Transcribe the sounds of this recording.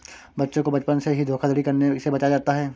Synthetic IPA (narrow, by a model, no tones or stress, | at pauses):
bɐtːʃõkobɐt͡ʃpənseɦid̪ʱoːkʰad̪ʱəɽikɐɾnesebɐt͡ʃad͡ʒaːt̪aɦɛː